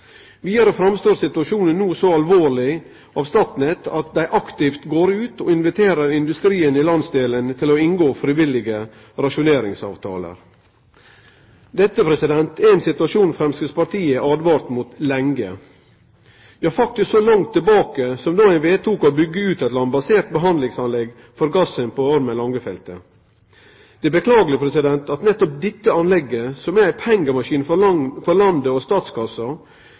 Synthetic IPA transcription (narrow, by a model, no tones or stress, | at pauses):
ʋiːd̪ɑɾəfɾɑmst̪oːɾsɪt̪ʉɑʂuːnənːuːsɔɑlʋoːɾɭɪ | ɑːʋst̪ɑːt̪n̩ɛt̪ʰɑt̪̚d̪æɪʔɑkt̪ɪft̪ɡoːɾʉːt̪oɪnʋɪt̪ʰeːɾəɾɪnd̪ʉst̪ɾiːənɪlɑnsd̪eːlənt̪ʰɪlɔɪŋɡoːfɾɪʋɪlːɪɡə | ɾɑʂʊneːɾɪŋsɑ̰ːʋt̪ʰɑ̰ːlə̰ɾ | d̪ɛt̪ːəpʰɾɛsɪd̪ɛnt̪ʰɛɪnsɪt̪ʉɑʂuːnfɾɛmskəspɑʈ̪ʰiːəʔɑːd̪ʋɑːɾt̪mʊt̪lɛŋɡə̰ | ʋɛhɑɾfɑk̚t̪ɪsksolɑŋt̪ʰːɪlbɑːkəsɔmd̪ɑːæɪnʋeːt̪ʰuːkɔbʏɡːəʉːt̪æt̪lɑnbɑseːʈ̪̚bəɦɑnd̪lɪŋsɑnlɛɡ | fɔɾɡɑsənpɔɔɾməlɑŋɡəfɛlt̪ə | d̪̥ɛbəkʰlɑːɡələpʰɾɛsɪd̪ɛnt̪ʰɑt̪nɛt̪ːɔp̚d̪ɛt̪ːəɑnlɛɡːəsɔmɛæɪpʰɛŋɡəmɑʃiːnffɔɾlɑnd̪əɔst̪ɑːt̪skʰɑsɑ